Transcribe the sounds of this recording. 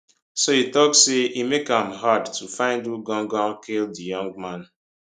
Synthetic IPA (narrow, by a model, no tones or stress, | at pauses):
soitɔkseʔimekãmɦadtʰufãɪ̃nduɡɔ̃ŋɡɔ̃kʰeldijɔ̃ŋɡ̚mãn